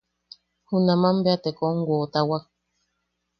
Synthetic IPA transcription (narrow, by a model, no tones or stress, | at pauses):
hunãmãmbeat̪ekoŋɡot̪awak̚